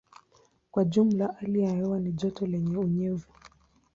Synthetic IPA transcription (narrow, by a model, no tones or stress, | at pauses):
kwaʄum̩laʔaliajɛwaniʄɔtɔlɛɲɛuɲɛvu